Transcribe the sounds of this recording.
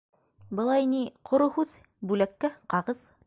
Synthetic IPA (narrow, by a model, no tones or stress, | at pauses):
bɤ̆lˠɑjniqʰŏɾohʉð | bʉlækːæqɑʁɤð